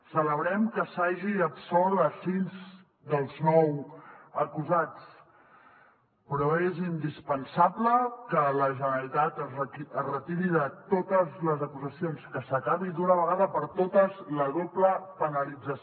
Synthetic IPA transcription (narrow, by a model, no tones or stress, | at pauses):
sələβɾɛmkəsaʒiəpsɔlˠəsinz | d̪əlˠznɔwəkuzat͡s | pɾɔezind̪ispənsabləkələʒənəəlit̪at̪əzrəiəzrət̪iɾiðət̪ot̪əzləzəkuzəsionskəsəkaβid̪unəβəɣaðəpəɾt̪ot̪əzləðopləpənəlid͡zəs